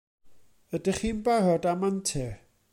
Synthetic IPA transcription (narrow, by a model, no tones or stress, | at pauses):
ədəχinbarɔdamantʰɛ